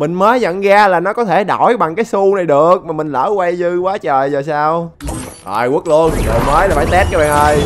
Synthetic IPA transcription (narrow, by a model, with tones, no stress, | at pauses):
mï˨˩ŋ̟məː˨˦jzə̰˧˨nɣaː˧laː˨˩nɔ˨˦kɔ˨˦t̪ʰe˧˩ɗɔ˧˩jɓa˨˩ŋkaː˨˦jsu˧na˨˩jɗɨ˨˩ək̚maː˨˩mï˨˩ŋ̟lə̰ː˧˩wa˧jzɨ˧waː˨˦t͡ɕəː˨˩jzəː˨˩saː˧wʔəː˨˩jwu˦˥ək̚lu˧ənɗə˨˩məː˨˦jlaː˨˩faː˧˩jt̪ɛ˦˥t̚kaː˧˦ɓɛ̰ː˧˨˩ŋʔəː˧j